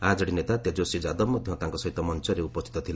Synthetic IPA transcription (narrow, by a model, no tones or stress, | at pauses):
ad͡ʒɔɽinet̪at̪ed͡ʒosid͡ʒad̪ɔmɔd̪ʱjɔ̃t̪ãŋkɔsɔɦit̪ːɔmɔnt͡ʃɔɾeupɔst̪ʰit̪ɔt̪ʰila